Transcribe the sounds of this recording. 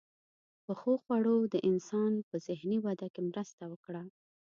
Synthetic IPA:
pəxoxwaɽod̪əʔɪnsɑnpəzɪhniwad̪akemɾəst̪awəkɽa

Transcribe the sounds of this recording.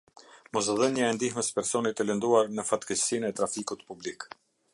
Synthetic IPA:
mɔs̬ðənɲəɛnd̪ihməspɛɾsɔnit̪ələnd̪uaɾnəfat̪kəsinɛt̪ɾafikut̪publik

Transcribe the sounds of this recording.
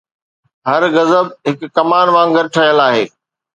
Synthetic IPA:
ɦɐɾɣɐzəb̚ɦɪkːɐmaːnʋãːŋɡəɾʈʰɐjəlaːɦeː

